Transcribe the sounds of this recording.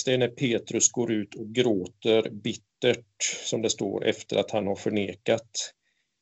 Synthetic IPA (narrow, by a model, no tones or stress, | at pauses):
st̪ɛnæɾpʰeːt̪ɾɵsɡoːɾʉ̟ːt̪ʰɔk̚ɡɾoːt̪əɾbɪt̪ːəʈsɔmd̪ɛst̪o̰ːɾʔɛ̰ft̪ə̰ɾʔat̪hanhaɾfœɳeːkat̪